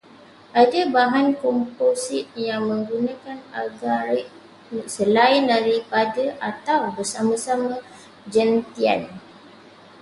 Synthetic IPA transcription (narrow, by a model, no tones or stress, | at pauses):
ʔadabaɦankɔmposit̪̚jaŋmə̃ŋɡunãkanaɡaɾ | səlaɪndaɾipadaʔat̪awbərsamãsamã | d͡ʒant̪ia̰n